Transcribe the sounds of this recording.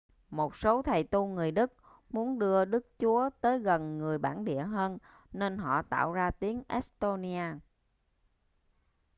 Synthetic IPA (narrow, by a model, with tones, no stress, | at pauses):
mo˨˩t̚so˨˦t̪ʰə˨˩jt̪u˧ŋɨ˨˩əjɗɨ˦˥k̚ | mu˨˦ənɗɨ˧əɗɨ˦˥k̚t͡ɕu˨˦ət̪əː˨˦jɣə˨˩nŋɨ˨˩əjɓaː˧˩nɗḭ˧˨əɦəː˧nː | e˧nɦɔ̰˧˨t̪a̰ː˧˨wzaː˧t̪i˨˦əŋʔɛ˦˥st̪o˧ni˧aː˧